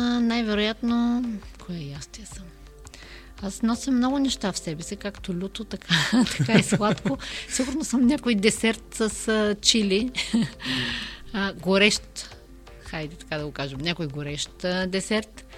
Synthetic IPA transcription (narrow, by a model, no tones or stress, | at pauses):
najvɛɾojat̪nokʰoɛjast̪iɐsəm | asnɔsimːnɔɡʊnɛʃt̪afsɛbɛsɛkakt̪olʲut̪ot̪ɐkʰat̪ɐ̥kaislˠat̪kosiɡʊɾnosəmnʲakojd̪ɛsɛɾt̪sɐst͡ʃili | əɡoɾɛʃt̪ | xajd̪ɛt̪ɐ̥kad̪ɐɡokaʒɐmnʲakojɡoɾɛʃt̪d̪ɛsɛɾt̪